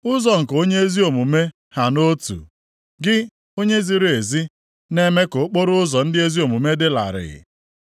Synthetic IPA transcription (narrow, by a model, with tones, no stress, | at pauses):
ʊ˦zɔ˨ŋ̩˨ko˦ɲe˦e˦zi˦o˨mu˨me˦ | ha˨no˦tṵ˨ | ɡɪ˦ | o˦ɲe˦zi˨ɾe˨zi˦ | ne˦me˦ko˨˦k͡po˦ɾʊ˦ʊ˦zɔ˨n̩˦dɪ˦e˦zi˦o˨mu˨me˦dɪ˦la̰˨ɾɪ̰˨